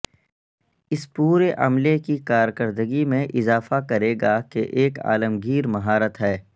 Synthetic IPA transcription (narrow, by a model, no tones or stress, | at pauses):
ɪspuːɾeʔɐ̰mlekikaːɾkəɾd̪əɡimẽʔɪzaːfakɐɾeːɡakeʔeːka̰ːləmɡiːɾmɐɦaːɾət̪ɦɛː